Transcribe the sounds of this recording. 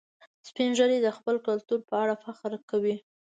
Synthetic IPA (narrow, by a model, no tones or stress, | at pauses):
spinʒəɾed̪əxpəlkalt̪uɾpəaɽafaxɾkawi